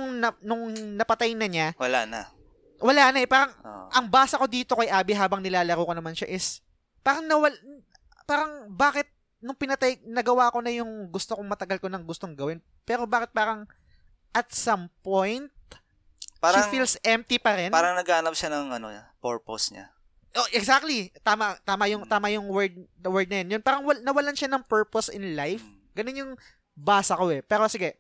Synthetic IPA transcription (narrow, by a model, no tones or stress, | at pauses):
ŋnɐnʊŋnɐpɐt̪ajnɐɲawɐla̰nɐ̰ | wɐlaːnɐɛpaːɾɐŋːʔʔɐŋbaːsɐko̞d̪iːt̪o̞kɐjʔaːbɪɦaːbɐŋnɪlaːlɐɾoːkonɐmanʃaʔɪs | paːɾɐŋnɐwɐl | paːɾɐŋbaːkɪt̪̚ | nʊŋpɪnɐt̪ajnɐɡɐwaːko̞nɐjʊŋɡʊst̪okoŋmɐt̪ɐɡɐlkonɐŋɡʊst̪o̞ŋɡɐwɪn | pɛːɾo̞baːkɪt̪̚paːɾɐŋ | ʔɐt̪̚sɐmpojnt̪̚ | paːɾɐŋfilsʔɛmp̚t̪ipɐɾɛnpaːɾɐŋnɐɡahɐnɐpʃanɐŋɐno̰ɲa̰poɹposɲa̰ | ʔoʔɛɡsak̚t̪lit̪aːmɐt̪aːmɐjʊŋt̪aːmɐjʊŋwɛɹd̪̚ | ɐwɛɹd̪̚nɐjɐnjonpaːɾɐŋwɐnɐwɐlanʃanɐŋpɛɹposɪnlajf | ɡɐnonjʊŋ | baːsɐko̞ɛpɛːɾo̞sɪɡɛ